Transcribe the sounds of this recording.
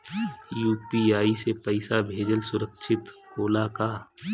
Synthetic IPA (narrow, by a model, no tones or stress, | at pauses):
juːpiaːisepəɪsabʱeːd͡ʒəlsʊɾəkʃʰɪt̪hoːlakaː